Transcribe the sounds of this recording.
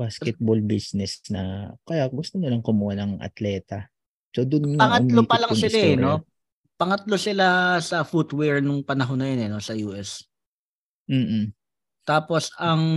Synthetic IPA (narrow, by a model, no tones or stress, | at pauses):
baskɛt̪̚bolbisnɛsnɐ̰kɐjaɡʊst̪onʊlɐŋkʊmuhanɐŋʔɐ̰t̪lɛːt̪ɐ | sod̪ʊnpɐŋɐtmlopɐlɐŋsɪlaɛno | pɐŋɐt̪lo̞sɪlasɐfut̪wɛɹnʊŋpɐnɐɦo̞nːɐjonɛno̞sɐjuːʔɛs | m̩ː | t̪aːpo̞sɐŋ